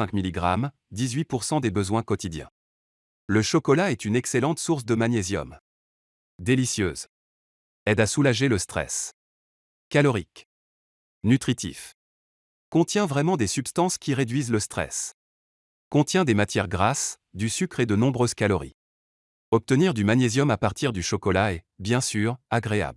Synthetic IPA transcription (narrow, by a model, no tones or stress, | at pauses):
ɛ̃kmiliɡʁa̰m | d̪izɥipuʁsɑ̃d̪ebəzwɛ̃kɔt̪id̪jɛ̰̃ | ləʃɔkɔlaɛt̪ynɛkselɑ̃t̪suʁs̬d̪əmaɲezjɔ̰m | d̪elisjø̰ːz | ɛd̪asulaʒeləst̪χɛ̰s | kalɔʁik | nyt̪χit̪ḭf | kɔ̃t̪jɛ̃vʁɛmɑ̃d̪esypst̪ɑ̃skʲiʁed̪ɥizləst̪χɛ̰s | kɔ̃t̪jɛ̃d̪emat̪jɛʁɡʁas | d̪ysykχed̪ənɔ̃bʁøz̥kalɔʁḭ | ɔp̚t̪əniʁd̪ymanezjɔmapaʁt̪ʰiʁd̪yʃɔkɔlaɛ | bjɛ̃syʁaɡʁea̰bl